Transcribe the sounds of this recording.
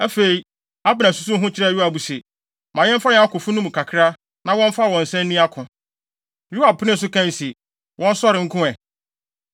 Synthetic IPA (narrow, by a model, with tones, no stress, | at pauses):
æ˦fe˨i˨ | a˦bɪ˨nã˨su̥˨su˦ɦʊ̃˦t͡ɕʰɪ˦ɾɛ˦˨ju˦a˨bu˨se˨ | mã˨ɲɛ̃˦m̩˦fa˦jɛ̃˦a˦kʊ˨fʊ˦nʊ̃˦m˨kʰa˨kʰɾa˦ | nã˦wɔ̃˦m̩˦fa˦˨wɔ̃˨n̩˨sɛ̃˦nː˦ĩ˦a˦kʰʊ̃˨ | ju˦a˨pʰʊ˦nɪ̃˦n̩˨sʊ˦kʰã˦n˨si˨ | wʔɔ̃˦n̩˦sɔ˦ɾɪ˨ŋ̩˦kʰʊ̃˦ɛ˨